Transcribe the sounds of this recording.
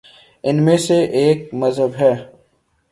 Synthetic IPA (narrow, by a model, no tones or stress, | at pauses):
ɪnmẽseʔeːk̚mɐzɦəbɦɛː